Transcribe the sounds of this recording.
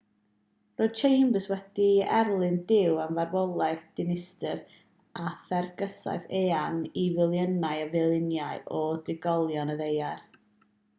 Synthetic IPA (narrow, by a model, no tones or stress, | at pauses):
roːd̥̚t͡ʃʰejmbəswɛdiɛrlˠɨndɪwamvarvɔlˠajðd̥ɪnɪstɨr | aθɛrɡəsa̰jθeːanivɪlˠjənajəvɪlˠɪnjaɨɔdrɪɡɔlˠjɔnəðejar